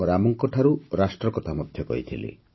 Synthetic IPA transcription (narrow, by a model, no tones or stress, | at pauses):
ɔɾamɔŋkɔʈʰaɾuɾasʈɾɔkɔt̪ʰamɔd̪ʱjɔkɔ̰it̪ʰilḛ